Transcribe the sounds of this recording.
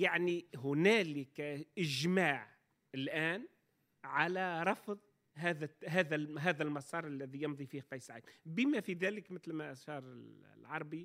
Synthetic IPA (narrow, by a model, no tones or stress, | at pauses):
jaʕniɦʊnæːlɪkaʔɪʒmaːʕ | ɪlʔaːn | ʕalæɾˤɑfðˤ | ɦaːðæɦæːðæɦæːðælmɑsˤɑːɾˤʔalːæðijɑmðˤifiːhqɑjːsʕajːbɪmæfiðæːlɪkmɪt̪lmæʔʃɑːɾˤɪllʕɑɾˤbi